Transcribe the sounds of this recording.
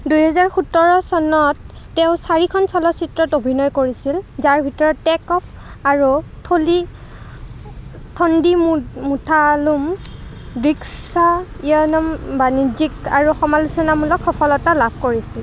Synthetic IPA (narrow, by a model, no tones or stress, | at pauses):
dujɦɛzaɹxutɔɹɔsɔnɔtː | eʊsaɹikʰɔnsʰɔlɔsitɹɔtobʱinɔjkoɹisilzaɹbʱitɔɹɔtːɛkɔpʰ | aɹutʰoli | tʰɔndimmutʰalum | biksaiɔnɔmbanid͡ʒikaɹuxɔmalusɔnamulɔkʰxɔpʰɔlɔtalabʱkoɹisil